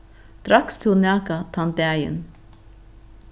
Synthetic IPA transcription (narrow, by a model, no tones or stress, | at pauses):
d̪̥ɾɑkst̪ʰunɑːkat̪ʰɑnt̪æjə̰n